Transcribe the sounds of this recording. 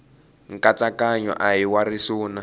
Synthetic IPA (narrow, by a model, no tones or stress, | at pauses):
ŋ̩kat͡sakaɲɔ̰ʔajiwarisuːna